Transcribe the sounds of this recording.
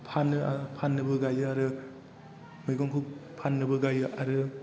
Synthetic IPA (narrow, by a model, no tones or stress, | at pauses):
pʰanːɯapʰanːɯbɯɡajɯaɾɯ | mɯjɡɔŋkʰuk̚pʰanːɯbɯɡajɯʔaɾɯ